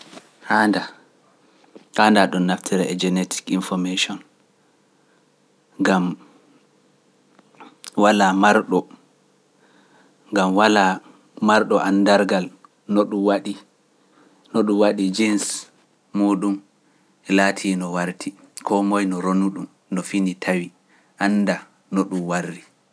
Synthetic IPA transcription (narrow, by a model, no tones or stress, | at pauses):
haːnda | andaɗɔnːaftʰiɾɛɛd͡ʒɛnetʰi̥kinfɔmeʃɔn | ɡam | walamaɾɗɔ | ɡamwala | maɾɗɔʔandaɾɡal | nɔɗumwaɗi | noɗumwaɗid͡ʒins | muːɗum | ɛlaːtʰiːnɔwaɾtʰi | kʰɔmɔjnɔɾonuɗum | nɔfinitʰawi | ʔanːda | nɔɗumwarːi